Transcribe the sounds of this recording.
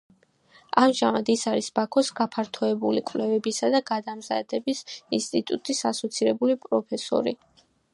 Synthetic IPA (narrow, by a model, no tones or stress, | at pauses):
amʒamad̪isaɾisbakʰɔsɡapʰaɾt̪ʰɔɛbulikʼvlɛvɛbisad̪aɡad̪amza̰d̪ɛbisinst̪ʼit̪ʼut̪ʼisasɔt̪sʰiɾɛbulipʼɾɔpʰɛsɔ̰ɾḭ